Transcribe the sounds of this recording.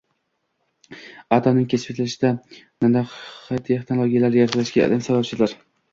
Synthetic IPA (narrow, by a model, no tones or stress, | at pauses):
at̪ʰɒnɪŋkʰʲespet̪ʰlɪʃɪd̪a | nanaχat̪ʰeχnolˠoɡʲijalaɾjaɾqlaʃɡʲaɒ̰d̪amsabap̚t͡ʃʰɪzlaɾ